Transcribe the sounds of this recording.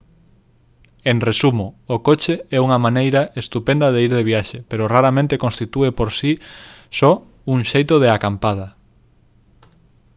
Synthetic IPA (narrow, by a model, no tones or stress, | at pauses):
eŋresumoːkot͡ʃeɛuŋɐmanejɾɐʔest̪upẽnd̪ɐðeiɾðeβiaʃepeɾoraɾamẽnt̪ekõnst̪it̪uepoɾsisɔ | uŋʃejt̪oðeakampað̞ɐ